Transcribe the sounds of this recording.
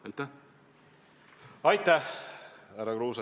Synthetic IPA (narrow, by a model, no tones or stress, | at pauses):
ɑjt̪ːæ | ɑjt̪ːæhhæɾɑkɾuːsɑ